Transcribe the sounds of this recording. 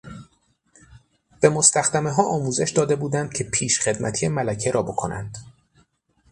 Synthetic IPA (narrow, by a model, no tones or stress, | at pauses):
b̥e̞mo̞st̪æxd̪æme̞ɦɒːʔɒːmuːze̞ʃd̪ɒːd̪e̞buːd̪ænd̪̥̚cʰe̞pʰiːʃχe̞d̪mʔæt̪ʰijemælæcʰe̞ɾɒːbo̞kʰo̞̰nʔæ̰nd̪̥